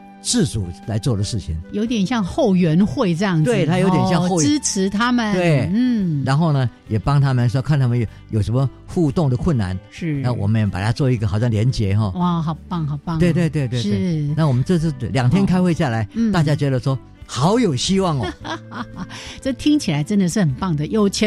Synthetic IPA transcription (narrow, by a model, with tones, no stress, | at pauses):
t͡sɹ̩˥˩t͡sṵ˨˩la˧˥ɪt͡swɔ˥˩d̪ə˩ʂɻ̩˥˩t͡ɕʰḭ˨˩ŋjo˧˥ʊt̪jɛ˨˩nɕjɑ˥˧ŋxo˥˩ʊɥɛ˧˥nxwe˥˧ɪʈ͡ʂɤ˥˧jɑ˥˩ŋd͡z̪we˥˨˩ɪt̪ʰa˥jo˧˥ʊt̪jɛ˨nɕjɑ˥˧ŋo˥˧ʊ˥t͡s̩ʰ˧˥t̪ʰa˥mə˨t̪we˥˩ɪn̩˥˩ɻa˧˥nxo˥˩ʊnə˩jɛ˨˩pɑ˥ŋt̪ʰa˥mə˨nʂwɔ˥kʰnt̪ʰa˥mə˨j | jo˨˩ʊʂə˧˦nmə˧ | xu˥˧t̪ʊ˥˩ŋd̪ə˩kʰwʊ˥˩nːa̰˧˥˦nʂɻ̩˥˩na˥˩wʔɔ̰˨˩mə˦njɛ˨˩pa˨˩t̪ʰa˥t͡swɔ˥˧i˧˥ɡə˨xɑ˨˩ʊɕjɑ˥˩ŋljɛ˧˥nt͡ɕjɛ˧˦xɔ˥˧wa˥˩xɑ˨˩ʊpɑ˥˩ŋxɑ˨˩ʊpɑ˥˧ŋwe˧ɪt̪we˥˧ɪt̪we˥˧ɪt̪we˥˧ʂna˥˩wɔ˨˩mə˦nʈ͡ʂɤ˥˧ʂ̬̩˥˩˥ljɑ˨˩ŋt̪ʰjɛ˥nkʰa˥ɪxwe˥˧ɪɕja˥˩la˧˦ɪ˥t̪a˥˧˩t͡ɕja˥t͡ɕɥɛ˧˥d̪ə˧ʂwɔ˥ | xɑ˧˦˥ʊjo˨˩ʊɕi˥wɑ˥˩ŋɔ | ʈ͡ʂɤ˥˩t̪ʰi˥ŋt͡ɕʰi˨˩la˨˧˥ɪʈ͡ʂə˦˥nd̪ə˨ʂɻ̩˥˩xə˨˩npɑ˥˩ŋd̪ə˩jo˥˩ʊt͡ɕʰ